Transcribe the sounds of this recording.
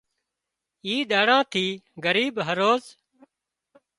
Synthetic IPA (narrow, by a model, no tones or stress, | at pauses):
iːɗ̪aːɽãːt̪ʰiːɡəɾiːɓɦəɾoːz